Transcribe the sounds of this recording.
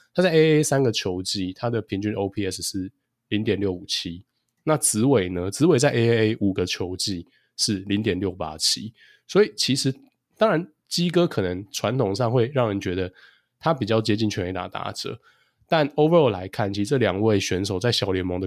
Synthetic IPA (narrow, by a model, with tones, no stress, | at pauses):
t̪ʰa˥t͡sa˥˩e˥e˦˥sa˦nɡə˨t͡ɕʰjo˧˥ʊt͡ɕi˥t̪ʰa˥d̪ə˨pʰi˧˥ŋt͡ɕy˥no˥ʊpʰi˥ɛ˥sʂɻ̩˥˩ | li˧˥ŋt̪jɛ˨˩nljo˥˩ʊu˨˩t͡ɕʰi˦˥ | na˥˨t͡sɹ̩˧˦we˨˩ɪnə˦t͡sɹ̩˧˦we˨˩ɪt͡sa˥˧ɪʔe˥e˥e˦ɪʔu˨˩ɡə˦t͡ɕʰjo˧˥ʊt͡ɕi˥ | ʂɻ̩˥˩li˧˦ŋt̪jɛ˨˩nljo˥˩ʊpa̰˥t͡ɕʰi˥ | swɔ˧˥i˨˩t͡ɕʰi˧˥ʂɻ̩˨˥ | t̪ɑ˥ŋɻa˧˦n | t͡ɕi˥kɤ˦kʰɤ˨˩nə˧˦ŋʈ͡ʂʰwa˧˦nt̪ʰʊ˨˩ŋʂɑ˥˧ŋxwe˥˧ɪɻɑ˥˩ŋɻə˧˦nt͡ɕɥɛ˧˥d̪ə˧ | t̪ʰa˦p̬i˨˩t͡ɕjɑ˥˩ʊt͡ɕjɛ˥t͡ɕi˥˩nt͡ɕʰɥɛ˧˥ne˧˥ɪt̪a̰˨˩t̪a̰˧˥ʈ͡ʂɤ̰˨˩˦ | t̪a˥˨no˥ʊvə˧˨˩la˧˦ɪkʰa˥˩nt͡ɕʰi˧ʂʈ͡ʂɤ˥˩ljɑ˨˩ŋwe˥˩ɪɕɥɛ˧˥nʂo˨˩ʊt͡sa˥˩ɪɕjɑ˨˩ʊljɛ˧˥nmo˧˦ŋd̪ə˧